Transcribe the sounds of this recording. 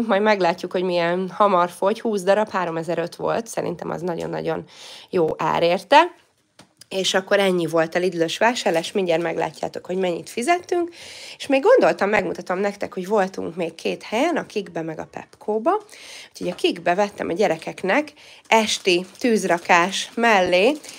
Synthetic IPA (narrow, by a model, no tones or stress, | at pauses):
mɒjd̪mɛɡlaːcːukho̞ɟmiɛnhɒmɒrfo̞chuːzd̪ɒɾɒphaːɾo̞mɛzɛɾø̞t̪ʋo̞̰lt̪sɛɾḭnt̪ɛ̰mʔɒ̰znɒɟo̰nːɒ̰ɟo̞̰njoːʔa̰ːɾeːrt̪ɛ | eːʃɒkːo̞ɾɛɲːivo̞lt̪ɛlid̪yløʃʋaːʃaːrlaːʃmiɲɟɛrmɛɡla̰ːcːa̰ːt̪o̞kho̞ɟmɛɲːit̪fizɛt̪ːyŋkeʃmeːɡːo̞nd̪o̞lt̪ɒmːɛɡmut̪ɒt̪ɒmnɛkt̪ɛkho̞ɟvo̞lt̪ṵŋkmeːkːʰeːt̪hɛjɛnɒkiɡbɛmɛɡɒ̰pɛ̰pkʰoːbɒu̥cho̞ɟɒkiɡbɛvɛt̪ːɛ̰mʔɒɟɛɾɛkɛknɛkɛʃt̪it̪yːzrɒkaːʃmɛlːeː